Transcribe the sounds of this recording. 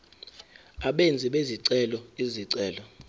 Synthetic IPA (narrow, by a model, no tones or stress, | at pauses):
aɓend͡zʱiɓeziǀɛlɔiziǀɛːlɔ